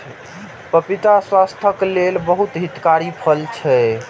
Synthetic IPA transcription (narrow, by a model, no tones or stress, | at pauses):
pəpit̪aswast̪ʰəklelbəɦut̪ɦit̪kaɾipʰəlt͡ʃʰɛ